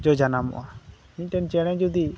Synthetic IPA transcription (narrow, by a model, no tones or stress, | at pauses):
d͡ʒɔd͡ʒanamɔ̰ʔa | iɲʈɛnt͡ʃɛɽ̃ɛ̃d͡ʒud̪i